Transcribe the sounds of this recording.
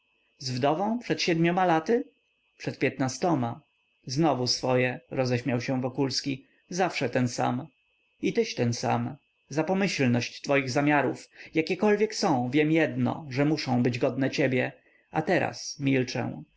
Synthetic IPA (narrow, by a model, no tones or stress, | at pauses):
zvd̪ɔvɔ̃w̃pʂɛt̪ɕɛd̪mʲjɔmalat̪ɘ | pʂɛt̪̚pʲjɛt̪nast̪ɔma | znɔvusfɔjɛɾɔzɛɕmʲjawɕɛ̃vɔkulskʲi | zafʂɛt̪ɛnsa̰m | it̪ɘɕt̪ɛnsa̰m | zapɔmɘɕlnɔɕt͡ɕt̪fɔjiɣzamʲaɾufjakʲɛkɔlvʲjɛksɔ̃w̃vʲjɛmjɛd̪nɔ̰ʐɛmuʂɔ̃w̃bɘd͡ʑɡɔd̪nɛt͡ɕebʲjɛ | at̪ɛɾa̰smʲilt͡ʂɛ̰̃